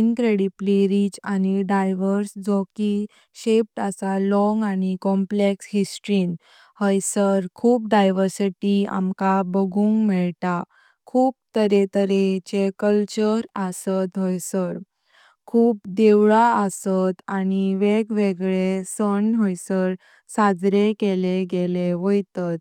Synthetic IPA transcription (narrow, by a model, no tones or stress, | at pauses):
nkɾeɽipliɾid͡ʑaniɖajʋəɾsd͡zoki | ɕep̚ʈasalɔŋɡanikɔmpleksɦisʈɾin | həjsəɾkʰuːp̚ɖajʋəɾsiʈia̰mkabəɡʱũːŋɡmiɭt̪a | kʰuːp̚t̪əɾet̪əɾet͡ɕekəlt͡ɕəɾasət̪ɦojsəɾ | kʰuːp̚d̪eʋɭaəsət̪añiʋeɡʋeɡɭesəɳɦəjsəɾ | sad͡zɾekeleɡeleʋəjt̪ət̪